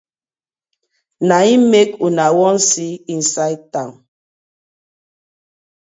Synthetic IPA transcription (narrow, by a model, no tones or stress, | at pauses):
naimekunawɔnsiin̩sajtaŋ